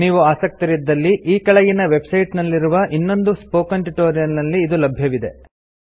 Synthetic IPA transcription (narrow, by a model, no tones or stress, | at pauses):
niːʋuaːsɐk̚t̪iɾid̪ːɐlːiʔiːkɐɭɐɡinɐʋe̞bsɐjʈnɐlːiɾuʋɐʔinːo̞nd̪uspoːkɐɳʈiʈoːɾijɐlnɐlːiːd̪ulɐbʱjɐʋid̪e̞